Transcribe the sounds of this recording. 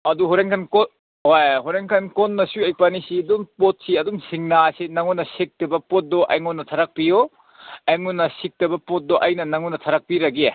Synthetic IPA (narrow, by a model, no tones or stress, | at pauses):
ɐduɦoɾeŋkʰanko | hojɦoɾeŋkʰankonːɐsuɐjpanisiduŋpot̚siɐduŋsiŋnasinɐŋunːɐsik̚tɐbɐpot̚dɔʔa̰jŋunːɐtʰaɾɐk̚pio | ejŋunːɐsik̚tɐbɐpot̚doʔɐjnɐnɐŋunːɐtʰaɾɐk̚piɾɐɡie